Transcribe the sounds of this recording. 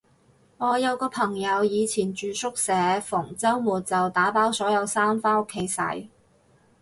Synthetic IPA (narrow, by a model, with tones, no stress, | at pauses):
ŋɔː˨˧jɐ˨˧wkɔː˧pʰɐ˨˩ŋjɐ˨˧wjiː˨˧t͡sʰiː˨˩nt͡ʃyː˨˧sʊ˥k̚sɛː˨˥fʊ˨˩ŋt͡sɐ˥wmuː˨˩t̚t͡sɐ˨wt̪aː˨˥paː˨˥wsɔː˨˥jɐ˨˧wsaː˥mfaː˥ʊ˥kʰːe˨˥jsɐ̰˨˥j